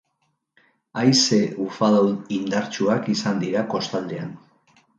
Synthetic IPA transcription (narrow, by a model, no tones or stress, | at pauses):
ajseufaðawnind̪aɾt͡ʃuakisand̪iɾako̞st̪ald̪ea̰n